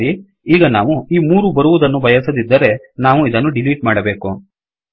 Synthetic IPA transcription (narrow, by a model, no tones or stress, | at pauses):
ɾi | iːɡɐnaːʋuiːmuːɾubɐɾuʋud̪ɐnːubʱɐjɐsɐd̪id̪ːɐɾe̞ | naːʋuid̪ɐnːuɖiliːʈ̚maːɽɐbe̞ːku